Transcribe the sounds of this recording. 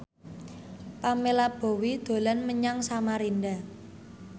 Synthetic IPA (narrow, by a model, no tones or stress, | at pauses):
pamelab̥o̤wid̪̥o̤lanməɲaŋsamaɾinda